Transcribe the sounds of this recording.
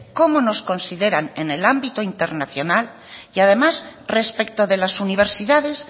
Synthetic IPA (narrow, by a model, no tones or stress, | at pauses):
ko̞mono̞sko̞nsiðe̞ɾane̞ne̞lambit̪oint̪eɾnaθjo̞nal | iaðe̞masre̞spek̚t̪oðe̞lasuniβ̞e̞ɾsiðaðe̞s